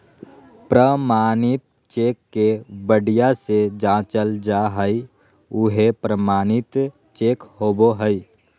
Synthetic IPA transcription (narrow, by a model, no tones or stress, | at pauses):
pɾəmaːnɪt̪̚ | t͡ʃeːkːebəɽijased͡ʒãːt͡ʃəld͡ʒaɦəi | ʊɦepɾəmaːnɪt̪ | t͡ʃeːkhoːboɦəi